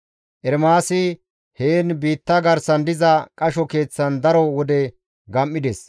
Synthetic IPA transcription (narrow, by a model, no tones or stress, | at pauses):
ʔɛɾmaːsɪ | heːnbiːt̪ːɐɡɐɾsɐnd̪ɪzɐkʼɐʃɔke̞ːt͡sːɐnd̪ɐɾɔwɔd̪ɛ | ɡɐmːɪd̪ɛs